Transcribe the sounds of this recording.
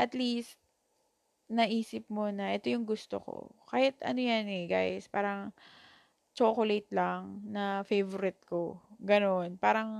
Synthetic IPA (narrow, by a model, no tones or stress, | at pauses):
ʔɐt̪list̪̚ | nɐʔiːsɪp̚mo̞nɐʔɛt̪ojʊŋɡʊst̪o̞̰ko̞̰kaːhɪt̪ɐ̰nojanɛɡa̰jspa̰ːɾɐŋ | t͡ʃoːkolejt̪̚lɐŋnɐfejvoɾɪt̪̚koɡɐno̞npaːɾɐŋ